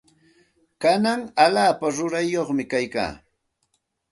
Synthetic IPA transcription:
kanaŋalaːpaɾʊɾajːoχmɪkajka̰ː

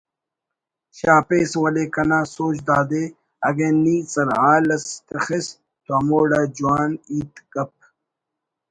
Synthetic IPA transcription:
ɕaːpeːswɐlekɐnaːsoːt͡ʃd̪aːd̪eː | ɐ̰ɡẽːniːsɐɾɦaːlɐst̪ɐxes | t̪oɐmoːɽaːd͡ʑuaːniːt̪kɐp̚

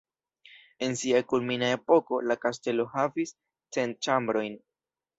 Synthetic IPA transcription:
e̞nsiakulminae̞po̞ko̞lakaste̞lo̞havis | t͡se̞nt͡ʃambɾo̞jn

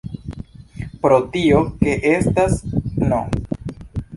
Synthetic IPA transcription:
pɾo̞tio̞ke̞ʔe̞stasno̰

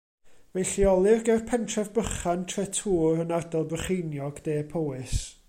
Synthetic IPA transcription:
vɛɬiɔlˠɨrɡɛrpʰɛntʰrɛvbəχantʰrɛtʰuːɾənardɔlˠbəχejnjɔɡd̥eːpʰɔwɨs

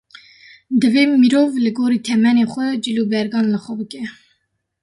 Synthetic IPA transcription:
d̪ɨveːmiɾoːvlɨɡoːɾiːt̪ʰɛmɛnexʷɛd͡ʒɨlubɛɾɡɑːnləxʷɛbɨkɛ

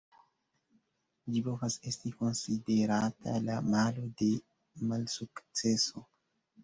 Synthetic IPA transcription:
d͡ʒipo̞vasestiko̞nsideɾatʰa̰lamalo̞de̞ | malsukt͡seso

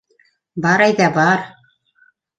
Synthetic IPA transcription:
bɑɾæjðæbɑɾ

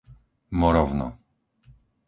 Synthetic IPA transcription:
mɔɾɔvnɔ̰

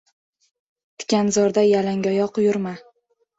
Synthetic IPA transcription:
t̪ʰɪ̥kʲanzɒɾd̪ajalaŋɡʲɒjɒqʰʊjʊɾma

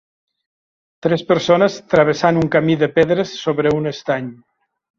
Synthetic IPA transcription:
t̪ɾespəɾsonəst̪ɾəβ̞esanuŋkamiðəpeðɾəsːoβɾəunəst̪aɲ

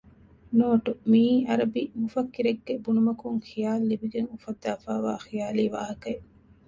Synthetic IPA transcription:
noːʈumiʔɐɾɐbimufɐkːiɾeɡːebunumɐkuŋxijaːlːibiɡeŋufɐd̪ːaːfaːʋa̰ːxijaːliːʋa̰ːɦɐkɐ

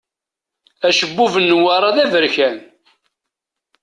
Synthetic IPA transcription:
æʃəbːuvənːwaɾˤɑðævəɾçæn

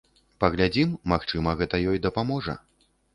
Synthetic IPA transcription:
pɐɣlʲad͡zʲimːaxt͡ʂɨmɐɣɛt̪ɐjɔjd̪ɐpamɔʐɐ̰

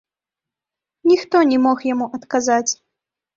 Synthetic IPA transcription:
nʲixt̪ɔnʲɛmɔxjamuʔɐt̪kazat͡sʲ

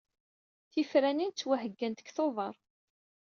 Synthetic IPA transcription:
θifɾænint͡sːwæɦəɡːænt̪ə̥kθoðˤɑɾˤ

